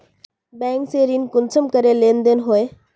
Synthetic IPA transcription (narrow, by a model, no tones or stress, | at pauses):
bɛ̃ːŋkseɾiːnkʊnsʰəmkəɾelẽːnd̪enɦoe